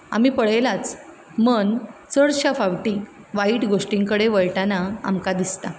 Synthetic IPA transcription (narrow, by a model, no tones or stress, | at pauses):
a̰m̤iːpəɽ̤əjlat͡s | mənt͡səɽɕafaʋʈi | ʋaiʈɡoʂʈiŋkəɽeʋəjʈanaa̰mkad̪ist̪a